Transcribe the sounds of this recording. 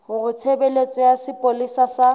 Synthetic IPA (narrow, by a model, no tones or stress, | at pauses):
hʊrʊt͡sʰebelet͡sʼɔjasɪpʼolisasa